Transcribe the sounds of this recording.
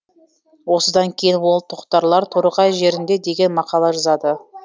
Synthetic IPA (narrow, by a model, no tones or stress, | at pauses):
wo̞səd̪ɑŋkʲʰejɪnbo̞lˠət̪ʰoqt̪ɑɾlˠɑɾt̪ʰoɾəʁɑjʒe̞ɾɪnd̪e̞d̪e̞ɡʲe̞nmɑqɑlˠɑʒɑzɑd̪ə